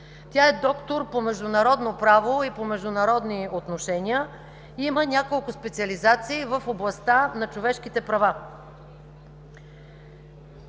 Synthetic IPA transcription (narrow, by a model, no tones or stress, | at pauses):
t̪ʲaɛd̪ɔkt̪oɾpomɛʒd̪ʊnɐɾɔd̪nopɾavoipomɛʒd̪ʊnɐɾɔd̪niot̪noʃɛnʲiə | iimənʲakolˠkʊspɛt̪siɐlizat̪siːvəfoblˠɐst̪anɐt͡ʃovɛʃkit̪ɛpɾɐva